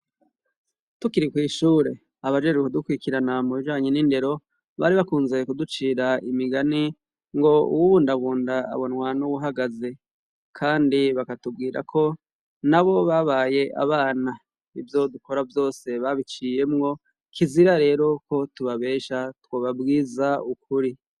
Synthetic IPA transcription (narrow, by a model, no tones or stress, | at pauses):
tukiɾikwiːʃuːɾe̞ | aβad͡ʒed͡ʒeodukwikiɾanamuβiʒaːɲeninde̞ɾo̞ | βaɾiβakuːnzejekudut͡ʃiːɾaimiɡani | ŋɡo̞ṵwuβuːndaβuːnda̰ːβo̞nwanuβuɦaɡaze̞ | kʰaːndiβakatub̚ɡiːɾa̰kʰo̞ | naβo̞βaβaje̞ʔa̰βaːna | ivjo̞duko̞ɾavjo̞ːse̞βaβit͡ʃije̞mŋo̞ | kʰiziɾaɾe̞ːɾo̞ko̞tuβaβe̞ːʃatwoβabɡiːzaukʰuɾi